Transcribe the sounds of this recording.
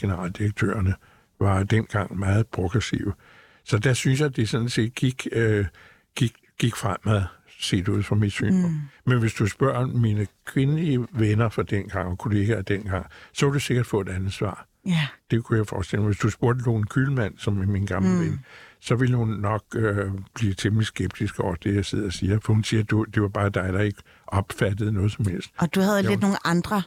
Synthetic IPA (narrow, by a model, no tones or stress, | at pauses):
ɡ̥e̝nəʁɑ̰̈ːld̥iʁɐɡ̥̚t͡sʰø̰ːɐnə | ʋɑ̈d̥en̰ɡ̥ɑ̈ŋ̰mɑːð̞̩ˠpʰʁoɡ̥ʁɛsḭʊə | sɒ̽d̥æsynsjɑ̈d̥esɒ̽nn̩se̝̰ːd̥̚ɡ̥iɡ̥ | ɡ̥iɡ̥ | ɡ̥iɡ̥fʁam̰æðˠ | se̝̰ːd̥uð̰ˠfɒmid̥sy̰ːnɒmenʋe̝sd̥usb̥ɶɐ̰minəkʰʋe̝nəliəʋenɐfɒd̥en̰ɡ̥ɑ̈ŋ̰ɒ̽kʰo̝le̝ːɡ̥æd̥en̰ɡ̥ɑ̈ŋ̰sɒ̽kʰud̥use̝ɡ̥ɐd̥fɔ̰ːe̝d̥ænð̩ˠsʋɑ̰̈ː | d̥e̝kʰujɑ̈ɪfɒ̰ːsd̥e̝l̰mɑʋe̝sd̥usb̥o̝ɐd̥əd̥onkʰylmæn̰sɒ̽mæminɡ̥ɑ̈mləʋensɒ̽ʋe̝lhunːɒ̽ɡ̥̚øb̥liːt͡sʰemlisɡ̥eb̥̚d̥isɡ̥ɒʊ̰ɐd̥e̝jäɪseð̩̰ˠæsiːɐfɒ̽hunsiːɐd̥ud̥e̝ʋɑ̈b̥ɑ̈ːd̥ɑ̈ɪd̥ɑ̈e̝ɡ̥ə | ʔɒ̽b̥fæd̥ð̩ˠnɔ̽ːð̞̩ˠsɒ̽mhel̰sd̥ɒd̥uhæð̩ˠednoːn̩ʔɑ̈nd̥ʁɐ